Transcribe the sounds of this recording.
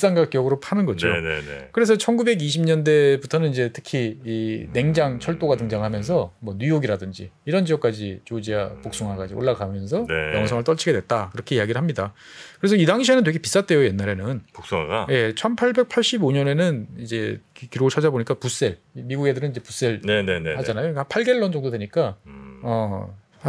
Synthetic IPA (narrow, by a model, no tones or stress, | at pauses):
is͈aŋɡak͈̚jʌɡɯɾopʰanɯnɡʌd͡ʑonḛkɯɾe̞s̬ʰʌt͡ɕʰʌnɡube̞ɡiɕ̬ʰimɲʌnde̞butʰʌnɯnid͡ʑe̞tʰɯ̥kʰiiːne̞ŋd͡ʑaŋt͡ɕʰʌɭt͈oɡatɯŋd͡ʑaŋɦamjʌns̬ʰʌmwʌnujoɡiɾadɯnd͡ʑḭiɾʌnd͡ʑiʌk͈ad͡ʑit͡ɕod͡ʑiɡapok̚s͈uŋɦaɡad͡ʑiʔo̰ɭːaɡamjʌns̬ʰʌnjʌ̰ŋsʰʌŋɯɭt͈ʌɭt͡ɕʰiɡedwe̞t̚t͈akɯɾʌkʰe̞iaɡiɾɯɭɦamɲida | kɯɾesʰʌidaŋɕʰienɯntweɡʰepis͈at͈̚we̞joje̞nːaɾe̞nɯnpok̚s͈uŋa̰ɡaje̞t͡ɕʰʌnpʰaɭbe̞k̚pʰaɭɕ͈iboɲʌne̞nɯnid͡ʑe̞kiɾoɡɭt͡ɕʰad͡ʑaboɲik͈apus͈e̞ɭimiɡuɡe̞dɯɾɯnid͡ʑe̞pus͈e̞ɭneehad͡ʑanajoikapʰaɭɡe̞ɭːʌnd͡ʑʌŋdodwe̞ɲik͈aʌ